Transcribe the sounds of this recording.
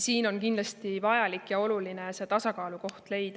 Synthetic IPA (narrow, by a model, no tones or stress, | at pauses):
siːno̞nkind̪lɑst̪ivɑjɑlikːˑjɑo̞luline̞se̞ːt̪ɑsɑkɑːluko̞ht̪le̞jd̪̥ɑ